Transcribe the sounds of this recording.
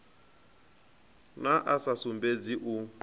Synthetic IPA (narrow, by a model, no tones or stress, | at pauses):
naʔasasumbed͡ziʔu